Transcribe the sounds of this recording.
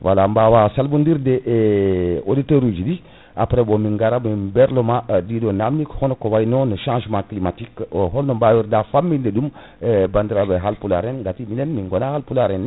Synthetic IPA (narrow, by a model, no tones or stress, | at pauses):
wʔa̰lambawasalbundiɾdɛʔ | oditoɾud͡ʒidi | apɾɛbomiŋɡaɾamibɛɾlɔmadidonamːikhɔnɔkowajnɔnəʃãːʒmãːklimatikɦɔlnombawiɾdafamːindedum | bandiɾabeɦalpula̰ɾɛnɡatiminɛnmiŋɡɔnahalpulaɾɛn